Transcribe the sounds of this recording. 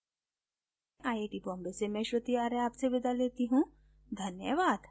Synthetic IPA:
ʔaːjeʈibɔ̃ːmbesemɛ̃ʃɾət̪iaːɾeaːpseʋɪd̪ʱaleːt̪iɦũ | d̪ʱɐnjəʋaːd̪

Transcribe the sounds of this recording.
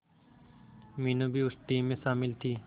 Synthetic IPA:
miːnoːbʱiːʊsʈiːmːẽʃaːmɪlt̪ʰiː

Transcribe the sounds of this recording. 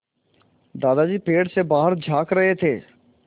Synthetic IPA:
d̪aːd̪ad͡ʒiːpeːɽsebaːɦəɾd͡ʒʱaːkɾɐɦet̪ʰeː

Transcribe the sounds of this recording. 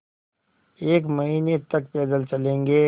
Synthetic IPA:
eːkmɐɦiːnet̪ɐkpɛːd̪əlt͡ʃɐlẽːŋɡe

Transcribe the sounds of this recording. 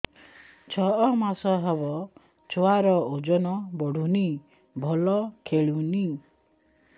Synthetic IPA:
t͡ʃʰɔɔmasɔɦebɔ | t͡ʃʰoaɾɔod͡ʒɔnɔbɔɽ̤ʱuni | bʱɔlɔkʰeɭini

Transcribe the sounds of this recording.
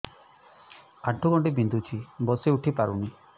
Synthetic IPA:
aʈʰːuɡɔɳʈibind̪ut͡ʃʰibɔseuʈʰipaɾuni

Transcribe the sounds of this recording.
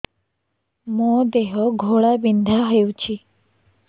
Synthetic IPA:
mõd̪eɦɔɡʱoɭabind̪ʱaɦəjwt͡ɕʰi

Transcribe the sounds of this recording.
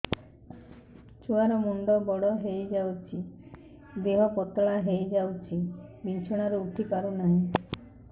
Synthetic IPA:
t͡ʃʰuaɾɔmuɳɖɔbɔɽɔɦejd͡ʒawt͡ʃʰi | d̪eɦɔpɔt̪ɭaɦejd͡ʒawt͡ʃʰibit͡ʃʰuɽ̃aɾuuʈʰipaɾunaɦĩ

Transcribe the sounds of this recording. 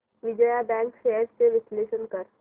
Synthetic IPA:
ʋɪd͡ʒəjabɛ̃ːŋkʃeːəɾseʋɪsleːʃənkəɾ

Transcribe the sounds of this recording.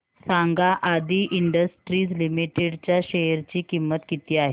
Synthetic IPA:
saŋɡaʔad̪ʱiːʔiɳɖəsʈɾiːd͡zlimiʈeɽt͡ɕjaɕejəɾt͡ɕiːkimːət̪kit̪iːaɦe

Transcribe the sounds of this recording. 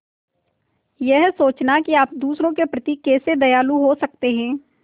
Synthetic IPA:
jɛɦsoːt͡ʃnakiaːpd̪uːsɾõkepɾɐt̪iːkːeːsed̪ɐjaːluɦosɐk̚t̪eɦɛ̃ː

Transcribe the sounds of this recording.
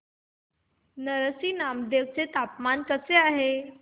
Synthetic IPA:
nəɾəsiːnamd̪ewt͡set̪apmankəseaɦe

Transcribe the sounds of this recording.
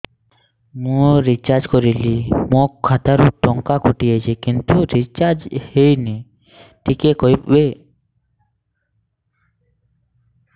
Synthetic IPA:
mũɾit͡ʃaɾd͡ʒkɔɾilimokʰːat̪aɾuʈɔŋkakuʈiet͡ʃʰekint̪uɾit͡ʃaɾd͡ʒhejne | ʈikekojpbe

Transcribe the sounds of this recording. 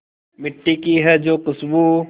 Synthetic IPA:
mɪʈːikiɦɛd͡ʒoːqɪsbu

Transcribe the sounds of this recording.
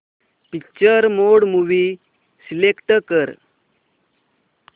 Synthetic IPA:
pikt͡ɕəɾmoɽmuʋi | silekʈəkəɾ

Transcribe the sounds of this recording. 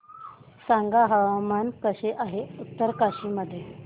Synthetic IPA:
saŋɡaɦəʋamankəɕeʔaɦeut̪ːəɾkaɕiməd̪ʱːje

